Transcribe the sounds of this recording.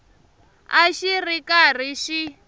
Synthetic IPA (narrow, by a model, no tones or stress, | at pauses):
aʃirikʼar̤iʃi